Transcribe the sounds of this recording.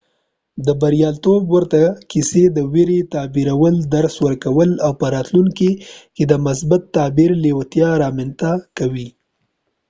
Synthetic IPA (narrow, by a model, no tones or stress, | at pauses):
d̪əbaɾjɑlt̪obwəɾt̪akised̪əweɾet̪ɑbiɾawəld̪aɾswəɾkawəlawpəɾɑt̪luŋkiked̪əmʊsbat̪ːɑbiɾlewat̪jɑɾɑment̪akawi